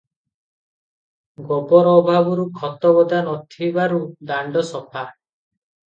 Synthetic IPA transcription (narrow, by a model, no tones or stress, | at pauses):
ɡɔbɔɾɔɔbʱabɔɾukʰɔt̪ɔbɔd̪anɔt̪ʰibaɾud̪aɳɖɔsɔpʰa